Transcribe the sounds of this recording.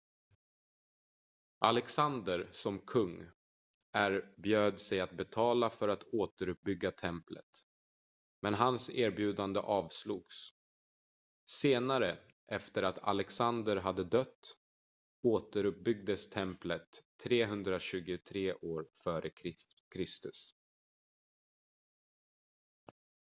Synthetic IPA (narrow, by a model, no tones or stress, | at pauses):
ʔalɛksand̪əɾsɔmkʰɵŋː | æɾbjøːd̪sɛjat̪̚bɛt̪ʰɑːlafœɾat̪oːt̪əɾɵp̚bʏɡːat̪ʰɛmplə̰t̪ | mɛnɦanseːɾbjʉ̟ːd̪and̪ə̰ʔɑːvsluːɡs | seːnaɾə | ʔɛft̪əɾat̪ʰa̰lɛksand̪əɾɦad̪ːəd̪œt̪ː | oːt̪əɾɵp̚bʏɡ̚d̪əst̪ʰɛmplət̪ʰːɾeːɦɵnd̪ɾaɕʉ̟ːɡʊt̪ʰɾeːʔoːɾfœːɾʔə | kʰɾɪst̪ɵs